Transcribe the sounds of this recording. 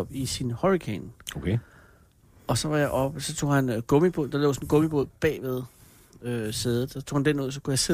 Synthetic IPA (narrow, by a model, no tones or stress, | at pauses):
ɒb̥isinhɒʁikʰenokʰe | ɒ̽sɒ̽ʋɑ̈jɑ̈ɪʔɒ̽b̥sɒ̽t͡sʰo̝̰ːhænɡ̥ɔ̽mib̥oð̰ˠd̥ɑ̈lɔ̰ːsɔnɡ̥ɔ̽mib̥o̝ð̰ˠb̥ɛ̰ːʋe̝ð̞ˠ | øse̝ð̞ˠð̩ˠsɑt͡sʰo̰hænd̥enmɔð̰ˠs̬ɒkʰujɑ̈se